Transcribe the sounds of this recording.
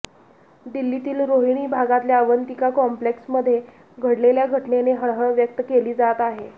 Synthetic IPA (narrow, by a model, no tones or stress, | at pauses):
d̪ilːit̪iːlɾoɦiɽ̃iːbʱaɡat̪ljaːʋənt̪ikakɔmpleksməd̪ʱːje | ɡʱəɽleljaɡʱəʈneneɦəɭɦəɭʋjək̚t̪əkeliːd͡zat̪aɦe